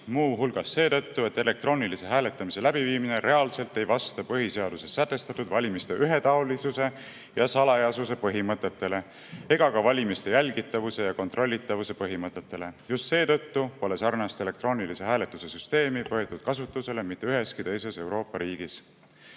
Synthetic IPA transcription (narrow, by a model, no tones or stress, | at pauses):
muːɦulɡ̥ɑsːe̞ːt̪ɤ̞t̪ːue̞t̪ːe̞le̞k̚t̪ro̞ːnilise̞ɦæːle̞t̪ːˑɑmise̞læbiviːmine̞ɾʔe̞ɑlse̞lt̪ːe̞jvɑst̪ɑpɤɦise̞ɑd̪̥use̞sːæt̪ːˑe̞st̪ɑt̪ːˑud̪vɑlʲimist̪e̞ʔyɦet̪ɑolisuse̞ | jɑsɑlɑjɑsus̬e̞pɤɦimɤt̪ːˑe̞t̪ːe̞le̞ | e̞ɡ̥ɑkɑvɑlʲimist̪e̞jælʲɡ̥it̪ːˑɑvuse̞jɑko̞nt̪ro̞lʲːit̪ːˑɑvuse̞pɤɦimɤt̪ːˑet̪ːe̞le̞just̪se̞ːt̪ɤ̞t̪ːupo̞le̞sɑrnɑst̪e̞le̞kt̪ro̞ːnilise̞ɦæːle̞t̪ːˑuse̞syst̪e̞ːmipoet̪ːˑud̪̥̚kɑsut̪ːˑuse̞le̞mit̪ːˑe̞yɦe̞skit̪e̞jse̞se̞wɾo̞ːpːˑɑɾiːɡ̥is